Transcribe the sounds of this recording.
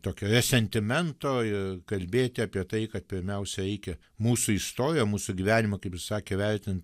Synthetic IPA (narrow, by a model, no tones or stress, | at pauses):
t̪oːkʲoːɾʲɛsʲɛnʲt̪ʲɪmʲɛnt̪oːɪkɐlʲbʲeːt̪ʲɪɑːpʲiɛt̪ɐɪkɐt̪̚pʲɪɾʲmʲɛʊsʲɛɾʲɛɪkʲɛ | muːsʊist̪oːɾʲɪjomuːsʊɡʲɪʋʲæːnʲɪmɐkɐɪpssɑːkʲeːʋʲɛɾʲt̪ʲɪnt̪